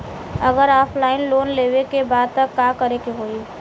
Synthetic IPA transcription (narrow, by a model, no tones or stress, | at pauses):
əɡəɾɔːpʰlaːɪnloːnleːwekebaːd̪̚t̪əkːaːkəɾekeɦoːi